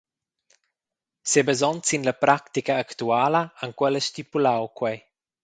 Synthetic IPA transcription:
sɛbazɔnt͡sinləpɾakt̪ikaːkt̪uaːlaaŋkwɛləʃt̪ipulawkwɛj

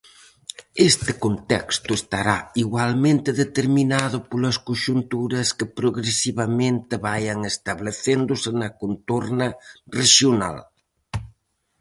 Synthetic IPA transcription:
est̪ɪkont̪ɛ̰kst̪ʊest̪aɾaiɣwalmẽnt̪ɪðet̪eɾminaðʊpolɐskoʃunt̪uɾɐskɪpɾoɣɾesiβɐmẽnt̪ɪβajɐŋest̪ɐβleθend̪ʊsɪnɐkont̪oɾnɐreʃjona̰l

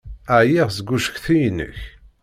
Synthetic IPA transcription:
æʕjiʁzəɡʷːuʃə̥çθijnːə̰ç

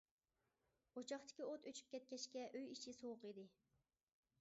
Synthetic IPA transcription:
ot͡ʃʰɑχt̪ʰɪ̥kʲiot̪øt͡ʃʰy̥p̚kʲɛt̪̚kʲɛʃkʲɛʔøjit͡ʃʰisowʊqid̪ɪ

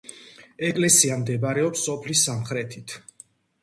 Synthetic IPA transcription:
ɛkʼlɛsiamd̪ɛbɾɛɔpsːɔpʰlisːamχɾɛt̪ʰit̪ʰ

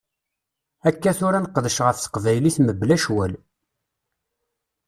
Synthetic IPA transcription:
ækːæθʊɾænəqːəðəʃʁəfθə̥qvæjliθməbːlæʃwæl

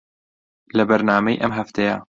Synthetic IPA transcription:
lɛbɛɾnaːmɛjʔɛmɦæft̪eja̰

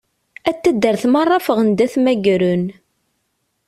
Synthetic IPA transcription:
æt̪ːəd̪ːəɾθmɑrˤːɑfəʁənd̪æθmæɡɾun

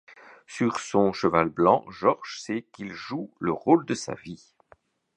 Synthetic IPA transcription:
syʁsɔ̃ʃəvalblɑ̃ʒɔʁʒsɛkilʒuləʁold̪əsa̰vi

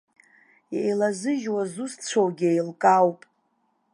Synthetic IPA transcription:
jejlazɨʒwazust͡sʷʰowɡʲejlkʼawpʼ

